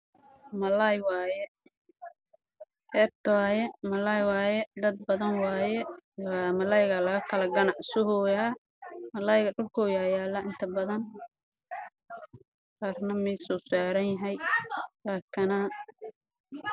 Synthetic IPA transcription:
mɐlajwɑːjɛ | ɛːb̚t̪ʰɐaːjɛmɐlajwaːjɛd̪ɐd̪̚bɐðɐnwɑːjɛaːmɐlajɣalɐɣɐkʰɐlɐɡɐnɑʕsʊɦɔja | mɐlɐjɣɐɖʊlkʰɔːjaːjaːlɐʔɪnt̪ʰɐbɐðɐn | qaːrnɐmɛsɔsaːɾɐnjɐɦɛjlaːkʰɐnɐ

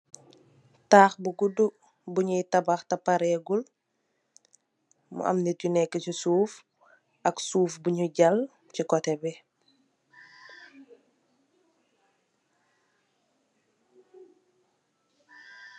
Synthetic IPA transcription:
taːxbuɡudu | buɲujtɐbaxtɐpaɾɛɡul | mṵʔa̰mniɟunɛkːəcisuːf | ɐksuːfbuɲuɟɐl | cikɔtɛbɛ

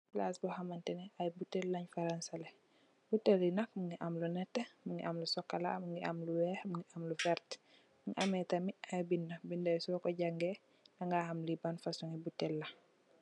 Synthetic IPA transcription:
blasbɔhɐmantɛnɛajbutːɛlːaɲfaɾansalɛ | butːɛlːinɐk̚muŋɡiʔamlunɛtːemuŋɡḭʔamlusɔkːala̰muŋɡia̰mluwɛhmuŋɡiʔamlufɛɾt | muŋiʔamɛtɐmiajbindɐbindɐjsɔkɔɟaŋɡɛ | nɐŋɡahɐmlibanfasuŋibutːɛlːɐ

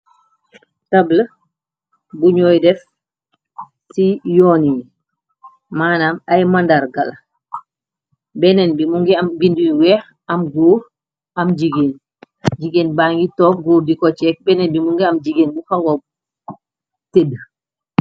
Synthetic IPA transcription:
tablə | buɲɔːjdɛf | sijɔni | maːnamajmandaɾɡal | bɛnɛnbimuŋɡɛamɡinduwɛh | amɡuːɾ | amd͡ʒiɡen | d͡ʒiɡenbaŋɡitɔːk̚ɡuːɾdikɔt͡ʃɛk̚bɛnɛnbimuŋɡɛamd͡ʒiɡenbuhaŋɡɔb̚ | ted

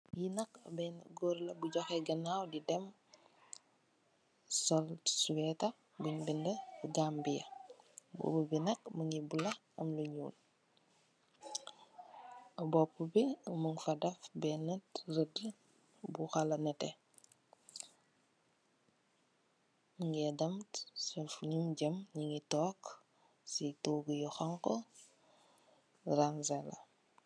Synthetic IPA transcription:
jinɐkɐ̰bɛnɡɔːɾlɐbuɟɔxɛɡɐnawdidɛm | sɔlsuwɛtɐ | buɲbindɐɡambijɐbṵbubinɐkməŋibulɐ | ɐ̰mluɲṵːl | ɐbɔpːubiməŋfɐdɐfbɛnɐtrəd | buxɐlɐnɐtɛ | məŋɡɛdɐmtsɐfuɲumɟɐmɲiŋitɔːk | sitoɡujɔxɐŋkɔ | ranzɛlɐ̰

